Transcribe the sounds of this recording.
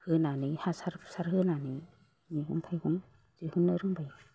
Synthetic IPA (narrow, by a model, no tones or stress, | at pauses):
hɯnanihasaɾsaɾhɯnani | ŋiɡṵŋpʰajɡuŋ | zihɯnːɯɾɯŋbaj